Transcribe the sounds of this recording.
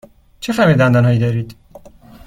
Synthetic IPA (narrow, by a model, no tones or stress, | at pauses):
t͡ʃʰefæmid̪ænd̪ɒnɦɒːjiːd̪ɒːɾiːd̪̥